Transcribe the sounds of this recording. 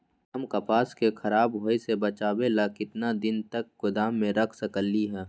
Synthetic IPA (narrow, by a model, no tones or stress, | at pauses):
ɐmkɐpaːskexʰɐɾaːbɦoːesebɐt͡ʃaːwelaːkɪt̪nad̪ɪnt̪ɐkɡʊd̪aːmːẽɾɐkʰsɐkəlːiɦɛː